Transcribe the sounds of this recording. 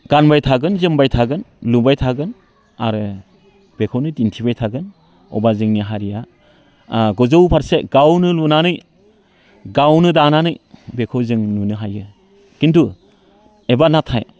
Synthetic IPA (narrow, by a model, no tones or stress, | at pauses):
ɡ̥anbajtʰaɡɯnzɯmbajtʰaɡɯnlubajtʰaɡɯn | aɾɯ | b̥ekʰawnɯtintʰibajtʰaɡɯn | ɔ̰bazɯŋniɦaɾija | ɡɔzowpʰaɾseɡawnɯlunanɯj | ɡawnɯdananɯjbekʰɯwzɯŋnunɯɦajɯ | kintu | ebanatʰaj